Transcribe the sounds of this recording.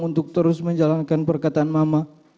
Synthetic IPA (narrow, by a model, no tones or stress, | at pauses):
unt̪ʊk̚t̪əɾʊsməɲd͡ʒalankanpərkat̪aːnmama